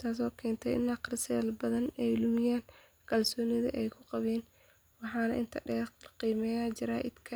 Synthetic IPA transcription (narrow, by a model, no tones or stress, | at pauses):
t̪ʰaːs̬ɔːkʰɛːnt̪ʰɛʔɪ̰nːɐqrɪsɛːlbɐðɐnɛjlʊmɪjaːŋ | kʰɐlsɔːnɪðɐ̰ʔɛjkʰʊqɑβɛːn | wɑħɑːnɐʔɪnt̪ʰɐɖɛːqiːmɛjaːt͡ʃɪɾaːʔɪd̪kʰɐ